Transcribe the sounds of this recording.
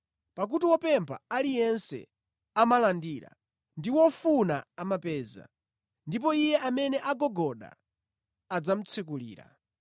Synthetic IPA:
pak̬utiwɔpɛmpʰa̰alijɛnsɛ̰ | amalandiːɾa̰ | ndiwɔfunaamapɛːza̰ | ndip̬ɔijɛʔamɛnɛʔaɡɔɡɔɗa̰ | ad͡zam̩t͡sʰɛk̬ulḭːɾa̰

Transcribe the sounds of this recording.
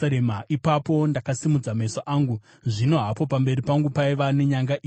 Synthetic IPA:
emaʔipapo̞ndakasimud͡zamesaʔaːŋɡu | ʐino̞ɦapo̞pambe̞ɾipaŋɡupaiʋane̞ɲaŋɡaʔi

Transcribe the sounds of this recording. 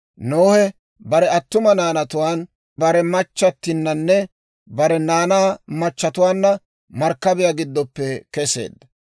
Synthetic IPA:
noːhɛ | bɐɾɛɐt̪ːʊmɐnaːnɐt̪ʊwaːn | bɐɾɛmɐt͡ʃːɐt̪ːɪnːɐnːɛ | bɐɾɛnaːnaːmɐt͡ʃːɐt̪ʊwaːnːɐ | mɐɾkːɐbɪjaːɡɪd̪ːɔpːɛkɛsḛːd̪ːɐ

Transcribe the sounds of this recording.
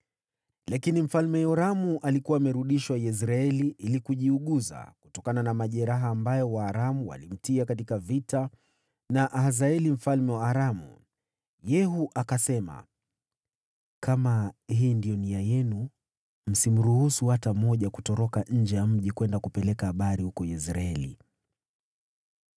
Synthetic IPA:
lakinim̩falmɛjɔɾamuʔalikuwaːmɛɾuɗiʃwajɛs̬ɾaɛliʔilikuʄiuɠuza̰ku̥tɔkananamaʄɛɾaɦaːmbajɔwaːɾamuwa̰lim̩tiakatikavita | naʔaɦazaɛlim̩falmɛwaːɾamṵ | jɛɦuʔakasɛma̰ | kamahiːndijɔniajɛnu | m̩sim̩ɾuhusuwatamɔʄakutɔɾɔkaɲ̩d͡ʒɛjam̩ʄikwɛndakupɛlɛkahaɓaɾihukɔɛs̬ɾaɛlḭ

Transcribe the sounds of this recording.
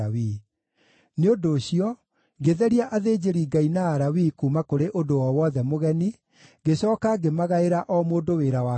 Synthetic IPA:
awi | neodoːɕiɔ | ɡeðɛɾiaʔaðeːd͡ʑeɾiɡainaːɾawikumakoɾeʔodowɔwɔðɛmoɣɛni | ɡeɕɔːkaɡemaɣaeɾaʔɔmoːdoweːɾawa

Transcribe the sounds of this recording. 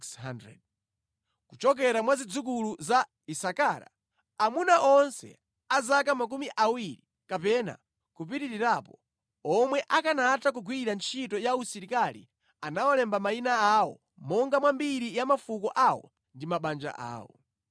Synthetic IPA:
ksandɾɛ̰d̚ | kut͡ʃɔk̬ɛɾamwazid͡zuk̬uluza | isakaɾa̰ | amunaʔɔnsɛ̰ | azakamak̬umiʔawiɾi | kapɛna̰ | kupiɾiɾiɾapɔ | ɔmwɛʔakanatak̬uɡʱwiɾant͡ʃʰitɔjausiɾikalḭ | anawɔlɛmbamainaawɔ̰ | mɔŋɡamwambiɾijamafukɔʔawɔ̰ | ndimaɓand͡ʒa̰ʔa̰ːwɔ̰

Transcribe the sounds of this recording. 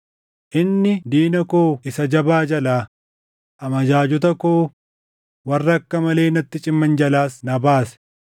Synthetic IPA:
ʔɪnːɪd̪iːnɐkoːɪsɐd͡ʒɐbaːd͡ʒɐlaː | ʔɐmɐd͡ʒaːd͡ʒʊt̪ɐkoː | wɐrːɐkːɐmɐle̞ːnɐt̪ːɪt͡ʃʼɪmːɐnd͡ʒɐlaːsnɐbaːsɛ̥

